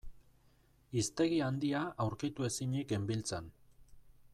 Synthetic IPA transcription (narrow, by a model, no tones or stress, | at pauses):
ist̪e̞ɣiand̪iaʔawɾkit̪ue̞siɲeke̞mbilt͡san